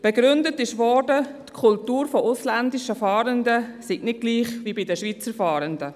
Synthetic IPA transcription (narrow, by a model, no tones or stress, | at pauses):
b̥ɛɡɾʏndətɪʃʋɔɾdətkʰultuːɾfɔʔʊslændɪʃəfɑːɾəndəsiɡnɪd̚ɡ̥liːχvibidəʃʋiːt͡səɾfɑːɾəndə